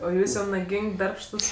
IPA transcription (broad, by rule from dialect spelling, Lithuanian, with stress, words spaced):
oː ˈjuːs jɛʊ nɐˈɡʲɪŋʲkʲ ˈdɐrpʃtʊs